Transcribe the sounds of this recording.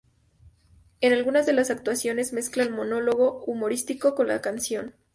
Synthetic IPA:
e̞nalɣunazðe̞lasak̚t̪wasjo̞ne̞zme̞sklaelmo̞no̞lo̞ɣ̞o̞umo̞ɾist̪iko̞ko̞nla̰kansjo̞n

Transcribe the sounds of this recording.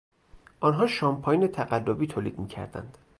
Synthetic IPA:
ʔɒnɦɒːʃɒːmpʰɒːjnet̪ʰæɣælːobiːt̪ʰoːlḭːd̪miːcʰæ̰ɾd̪æ̰nd̪̥

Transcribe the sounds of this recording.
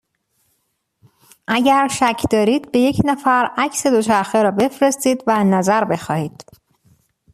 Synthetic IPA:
ʔæɟæɾʃæcʰd̪ɒːɾiːd̪be̞je̞cʰnæfæɾæcse̞d̪ot͡ʃʰæɾxeɾɒːbe̞fɾe̞st̪iːd̪vænæzæɾbe̞xɒːhiːd̪̥

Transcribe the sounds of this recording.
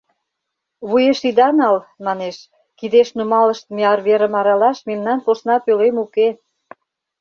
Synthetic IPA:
βujeʃid̪ɑnɑlmɑneʃ | kid̪eʃnumɑlə̆ʃt̪meɑrβeɾə̆mɑɾɑlɑʃmemnɑnposnɑpølemuke

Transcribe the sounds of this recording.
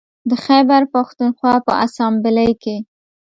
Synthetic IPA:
d̪əxabaɾpaxt̪unxwɑpə̰ʔasɑmbɪləjke

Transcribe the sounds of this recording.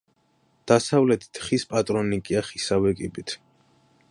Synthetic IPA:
d̪̥asavlɛt̪ʰi̥t̪ʰχispʼat̪ʼɾɔnikʼiaχisavɛkʼibit̪ʰ

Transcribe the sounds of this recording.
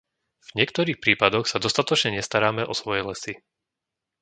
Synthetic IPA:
v̥ɲɪɛkt̪ɔɾiːxpɾiːpad̪ɔxsad̪ɔst̪at̪ɔt͡ʃɲɛɲɛst̪aɾaːmɛʔɔsʋɔjɛlɛsi

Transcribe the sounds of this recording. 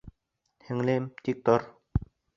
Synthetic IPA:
t̪ʰeŋlemt̪ik̚t̪or

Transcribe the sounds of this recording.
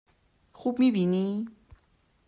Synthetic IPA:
xupmĩbini

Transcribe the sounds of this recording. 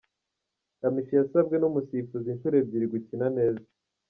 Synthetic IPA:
amiʃijasabɡenumusifuzinʃuɾe̞bɟiɾiɡucinane̞ːza

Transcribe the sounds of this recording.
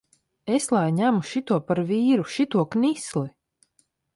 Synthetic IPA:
eslˠajɲæmuʃit̪uɔpaɾviːɾuʃit̪uɔknisli

